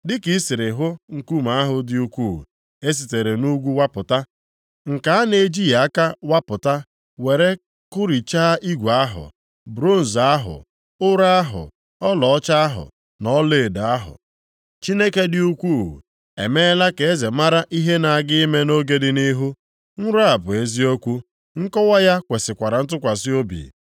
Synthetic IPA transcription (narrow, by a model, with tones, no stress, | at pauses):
dɪ˦ki˨˦sɪ˨ɾɪ˨ɦʊ˦ŋ̩˨ku˦m̩a˨˦ɦʊ˨dɪ˦u˦kʷu˦˨ | e˦s̬i˨te˨ɾe˨nu˦ɡʷu˦wa˦pʊ˨ta˦ | ŋ̩˨ka˨a˦ne˨˦d͡ʒi˦ja˨˦ka˦wa˦pʊ˨ta˦ | we˨ɾe˦ | kʊ˦ɾi˨t͡ʃaː˦ʔi˦ɡʷa˦ɦʊ̰˨ | bɾo˦˨n̩˨za˦ɦʊ̰˨ | ʊ˦ɾa˦a˦ɦʊ̰˨ | ɔ˦lɔ˨ɔ˦t͡ʃa˦a˦ɦʊ̰˨ | nɔ˦le˦˨da˨a˦ɦʊ̰˨ | t͡ʃi˦ne˦ke˦dɪ˦u˦kʷu˦˨ | e˨me˦la˦ke˨e˦ze˨ma˦ɾa˦ʔi˦ɦe˦na˨ɡɪ˦me˦no˦ɡe˦dɪ˦ni˦ɦu˦ | ŋ̩˦ɾʊ˦a˨bʊ˨e˦zi˦o˦kʷu˦ | ŋ̩˦kɔ˦wa˦ja˦kʷe˨sɪ˨kʷa˨ɾa˨n̩˦t̬ʊ˦kʷa˨sɪ˦o˦bḭ˨